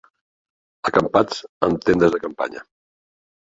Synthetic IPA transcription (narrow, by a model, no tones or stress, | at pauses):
əkəmpat͡səmt̪end̪əzðəkəmpa̰ɲə̰